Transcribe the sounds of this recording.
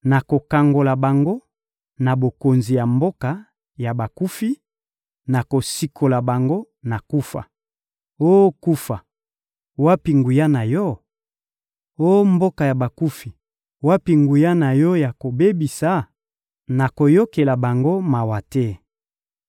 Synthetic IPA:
na˨ko˨ka˨ŋɡo˨la˨ba˨ŋɡo˦ | na˨bo˨ko˨nzi˨ja˨mbo˦ka˨ | ja˨ba˨ku˦fi˦ | na˨ko˨si˨kʰo˨la˨ba˨ŋɡo˦ | na˨ku˦fa̰˨ | o˦ku˦fa˨ | wa˦pi˨ŋɡu˨ja˦na˨jɔ˦ | o˦mbo˦ka˨ja˨ba˨ku˦fi˨ | wa˦pi˨ŋɡu˨ja˦na˨jɔ˦ja˨ko˨be˦bi˨sa˨˦ | na˨ko˨jo˦ke˨la˨ba˨ŋɡo˦ma˨wa˨tɛ˦

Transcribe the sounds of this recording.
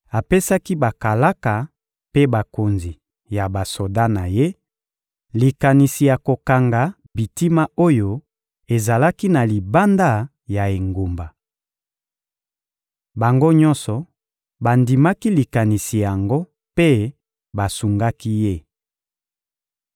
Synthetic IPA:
a˨pe˦sa˦ki˦ba˨ka˨la˦ka˨ | pe˦ba˨ko˨nzi˨ | ja˨ba˨so˨da˦na˨je˦ | li˨ka˨ni˨si˨ja˨ko˨ka˨ŋɡa˨ | bi˨ti˦ma˦o˦jo˦ | e˨za˨la˦ki˦na˨li˨ba˦nda˦ | ja˨e˨ŋɡo˨mba˨ | ba˨ŋɡo˦ɲɔ̃˦nsɔ˨ | ba˨ndi˨ma˦ki˦li˨ka˨ni˨si˨ja˨ŋɡo˦ | pe˦ | ba˨su˨ŋɡa˦ki˦je˦˨

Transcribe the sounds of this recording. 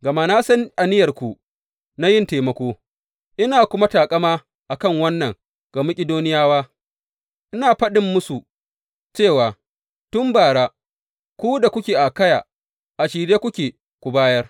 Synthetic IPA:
ɡɐ˨maː˦naː˦sɐ˦n˦ʔa˨nɪ˦jɐ˨rkʷu˨ | na˦jɪ˦nteː˨mɐ˦kʷoː˦ | ʔɪ˦naː˨kʷʊ˦ma˦taː˨kʼɐ˦maː˦ | ʔa˨kɐ˦˨ŋwɐ˦nːɐ˨ŋ | ɡ̥a˨mʊ˦kʲʼɪ˦doː˦nɪ˦jaː˦waː˦ | ʔɪ˦naː˨ɸɐ˦ɗɪ˨mːʊ˦su˨ | t͡ʃeː˦˨waː˨ | tʊ˦mbaː˨ɽaː˦ | kʷu˦da˨kʷʊ˦kʲeː˨ʔa˨kɐ˦ja̰ː˨ | ʔa˨ʃiː˨ɽeː˦kʷʊ˦kʲeː˨ | kʷu˨baː˦jɐ˦r

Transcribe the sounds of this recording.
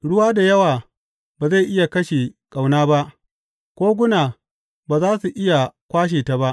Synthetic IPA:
ɽʊ˦waː˦da˨jɐ˦waː˨ | baː˨za˦˨jʔɪ˦ja˨kɐ˦ʃe˨kʼa˨wnaː˦ba˦ʔ | kʷoː˦ɡʷʊ˦naː˨ | baː˨zaː˦su˨ʔɪ˦ja˨kʷaː˦ʃ̬eː˨ta˨ba˦ʔ

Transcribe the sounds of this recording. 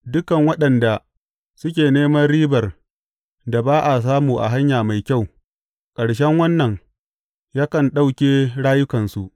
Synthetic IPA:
dʊ˦kɐ˨ŋwɐ˦ɗɐ˨nda˨ | sʊ˦kʲeː˨neː˦mɐ˦rɽiː˦bɐ˨r | da˨baː˦ʔa˨s̬aː˦muː˨ʔa̰˨ɦa˦ɲjaː˨ma˨jkʲa˦˨w | kʼɐ˨ɽʃɛ˦ŋwɐ˦nːɐ˨ŋ | jaː˦kɐ˨nɗa˦wkʲeː˦ɽaː˦jʊ˦kɐ˨nsu˨ʔ

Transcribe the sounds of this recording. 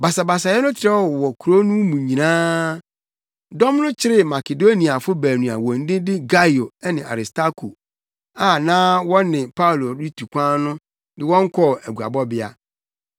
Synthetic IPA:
ba˨sa˨ba˨sa˨jɛ˦nʊ̃˦t͡ɕʰɪ˨ɾɛ˦ɔ˨wɔ˨kʰu˨ɾo˦nũ˦mũ˨ɲĩ˨nãː˦ | dɔ̃˦mnʊ̃˦t͡ɕʰɪ˦ɾɪ˦ma˨ke˨do˦ni˨a˨fʊ˦bæː˨nũ˨a̰˨wɔ̃˨n̩˦dɪ̃˦dɪ˦ɡa˦jo˨ɛ˦nɪ̃˨a̰˨ɾɪ˨sta˦kʰu˨ | a˨nãː˦wɔ̃˦nɪ̃˨pʰa˦u˨lo˨ɾi˦tʰu˨kʷʰã˦nʊ̃˦ | dɪ˦wɔ̃˦ŋ̩˦kʰɔ˦˨æ˨ɡu˨a̰˨bɔ˦bɪ˦a̰˦

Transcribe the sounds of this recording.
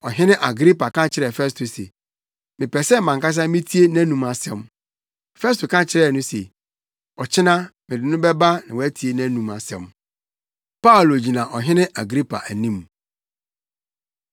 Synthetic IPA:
ɔ˨ɦɪ̃˦nɪ̃˦ʔa˨ɡɾi˦pa˨kʰã˦t͡ɕʰɪ˨ɾɛ˨fɛ˦s̬tʰo˨sḛ˨ | mɪ̃˨pɛ˨sɛ˦˨mã˨ŋka˦s̬ã˦mĩ˦tʰi˦e˦næ̃˦nũ˨ma˨sɛ̰̃˨m | fɛ˦s̬tʰo˨kã˦t͡ɕʰɪ˨ɾɛ˦˨nʊ̃˦sḛ˨ | ɔ˨t͡ɕʰɪ˦nã˦mɪ̃˨dɪ˨nʊ̃˦bɛ˦ba˦nã˨wɔ˨˦æ˦tʰi˨e˨˦næ̃˦nũ˨ma˨sɛ̰̃˨m | pa˦˨lo˨d͡ʑi˨nã˨ʔɔ˨ɦɪ̃˦nɪ̃˦ʔa˨ɡɾi˦pʰa̰˨ʔæ˨nĩ˦m

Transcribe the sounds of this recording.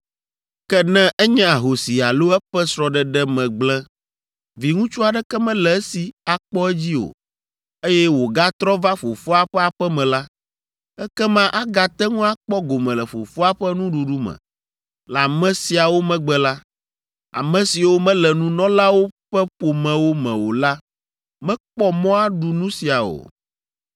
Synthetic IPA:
kɛ˦nɛ̃˦ʔɛ˦ɲɛ̃˦a˨ɦo˨si˨a̰˨lo˦ɛ˦ɸɛ˦sɾɔ˨ɖɛ˨ɖɛ˦mɛ̃˨ɡ͡blɛ˦ | vi˨ŋũ˦t͡ʃu˦a˨ɖɛ˦kɛ˦mɛ̃˦lɛ˨˦si˨a˨k͡pɔ˦ɛ˦d͡ʑi˦o̰˨ | e˦jɛ˦wo˨ɡa˦t̪ɾɔ˦va˦fo˨fo˦a˨ɸɛ˦a˨ɸɛ˦mɛ̃˨la˦ | ɛ˦kɛ˦mã˦ʔa˦ɡa˨t̪ɛ˦ŋũ˦a˦k͡pɔ˦ɡo˨mɛ̃˨lɛ˨fo̰˨fo˦a˦ɸɛ˦nũ˦ɖu˨ɖu˦mɛ̰̃˨ | la˨mɛ̃˦si˨a˨wo˦mɛ̃˦ɡ͡bɛ˨la˦ | a̰˨mɛ̃˨si˨wo˦mɛ̃˦lɛ˨nũ˦nɔ̃˦la˦wo˦ɸɛ˦ɸo˨mɛ̃˨wo˦mɛ̰̃˨wo˨la˦ | mɛ̃˦k͡pɔ˦mɔ̃˦a˦ɖu˨nũ˦si˨a˨o̰˨

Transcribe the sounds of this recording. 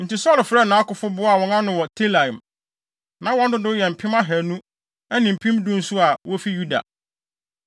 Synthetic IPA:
n̩˨ti˨sɔ˦lfɾɛ˦˨nã˨˦kʊ˨fʊ˦bʊ˦a˨wɔ̃˨ŋã˦nʊ̃˨wɔ˨tʰe˦lã˨m | nã˨wɔ̃˦ndʊ˦dʊ˦jɛ˨m̩˨pʰɪ̃˦mã˦ɦæ˨nũ˦ | æ˦nĩ˨m̩˨pʰĩ˦mdʊ̃˦n̩˦sʊ˦a˨wɔ˦fi˦ju˦da̰˨

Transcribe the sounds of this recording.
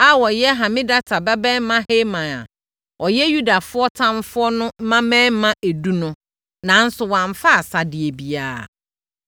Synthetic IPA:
a˦wɔ˨jɛ˦ɦã˨mɪ̃˦da˦tʰa˨bɛ˦bɛ̃˦mã˦he˦mã˨a̰˨ | ɔ˨jɛ˦ju˦da˨fʊ˦ɔ˦tʰã˦m˦fʊ˦ɔ˦nʊ̃˦m̩˦mã˦mɛ̃˦m˦mã˦ʔe˨du˦nʊ̃˦ | nã˨˦n̩˦sʊ˨wã˨ɱ˨fa˦a˨sa˨dɪ˨e˨bi˨aː˦˨

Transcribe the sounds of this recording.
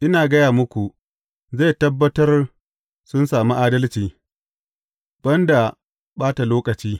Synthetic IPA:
ʔɪ˦naː˨ɡɐ˦jaː˨mʊ˦kʷu˨ | zae˦˨tɐ˦bːɐ˦tɐ˦r | sʊ˦nsaː˨mu˦ʔaː˦dɐ˦lt͡ʃiː˦ | b̥ɐ˦nda˨ | baː˦ta˨loː˦kʼɐ˨t͡ʃiː˦

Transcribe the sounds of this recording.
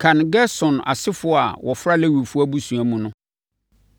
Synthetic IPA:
kʰã˨nɡɛ˦sɔ̃˨na̰˨sɪ˦fʊ˦˨a˨wʔɔ˨fɾa˦le˦wi˨fʊ˦a˦bu˦sũ˨æ˨mũ˨nʊ̃˦

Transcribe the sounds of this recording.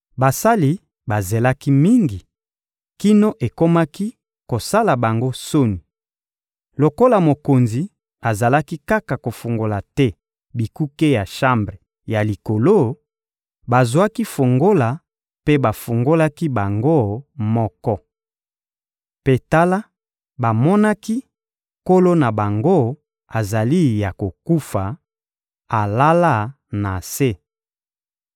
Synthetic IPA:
ba˨sa˦li˨ | ba˨ze˨la˦ki˦mi˦ŋɡi˨ | ki˦no˦ʔe˨ko˦ma˦ki˦ | ko˨sa˦la˨ba˨ŋɡo˦so˦ni˨ | lo˨ko˦la˨mo˨ko˨nzi˨ | a˨za˨la˦ki˦ka˦ka˨ko˨fu˨ŋɡo˨la˨tɛ˦ | bi˨ku˦ke˦ja˨ʃa˦mbʁe˨ | ja˨li˨ko˨lo˦ | ba˨zwa˦ki˦fo˨ŋɡo˦la˨ | pe˦ba˨fu˨ŋɡo˦la˦ki˦ba˨ŋɡo˦˨mɔ˦kɔ˦ | pe˨ta˦la˦ | ba˨mɔ˦na˦ki˦ | ko˦lo˦na˨ba˨ŋɡo˦ | a˨za˨li˦ja˨ko˨ku˦fa˨ | a˨la˦la˦˨ | na˨se˦

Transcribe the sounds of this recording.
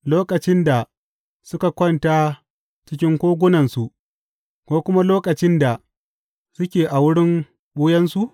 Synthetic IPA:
loː˦kɐ˨t͡ʃɪ˦nda˨ | sʊ˦ka˨kʷɔ˦˨nta˦ | t͡ʃɪ˦kʲɪ˦ŋkʷoː˦ɡʷʊ˦nɐ˨nsu˨ʔ | kʷoː˦kʷʊ˦ma˦loː˦kɐ˨t͡ʃɪ˦nda˨ | sʊ˦kʲeː˨ʔa˨wʊ˦ɽɪ˦ŋ | ɓʊː˦jɐ˦nsu˨ʔ

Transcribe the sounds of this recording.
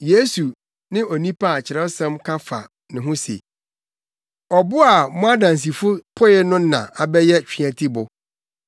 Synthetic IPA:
je˦su˨ | nɪ̃˦ɔ˨nĩ˦pʰa˦a˨t͡ɕʰɪ˨ɾɛ˦sɛ̃˦mkʰa˦fa̰˨ | nɪ̃˨ɦʊ̃˦sḛ˨ | ɔ˨bʊ˦a˨mʊ̃˦a˦dã˨n˨s̬i˨fʊ˦pʰʊ˦jɪ˦nʊ̃˦n˦nã̰˨a˨bɛ˦jɛ˦t͡ɕᶣi˦˨ã˨tʰi˦bʊ˨

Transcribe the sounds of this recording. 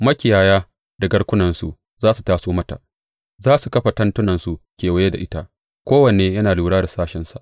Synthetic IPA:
mɐ˦kʲɪ˨jaː˨jaː˦ | da˨ɡɐ˦ɽkʷʊ˦nɐ˨nsu˨ʔ | zaː˦su˨taː˦soː˦mɐ˦ta̰˨ʔ | zaː˦su˨kɐ˦ɸa˨tɐ˦ntʊ˦nɐ˨nsu˨kʲeː˨wɐ˦je˦da̰˨ʔɪ˦ta˦ | kʷoː˦wɐ˨neː˦jɐ˦naː˨luː˨ɽaː˦da˨saː˦ʃɪ˨nsa˨ʔ

